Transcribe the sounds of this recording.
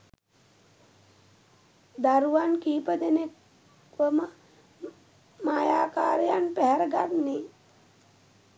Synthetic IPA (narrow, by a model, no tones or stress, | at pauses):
d̪aɾuʋankiːpəd̪enek | ʋəmə | maːjaːkaːɾejanpɛɦɛɾəɡat̪ne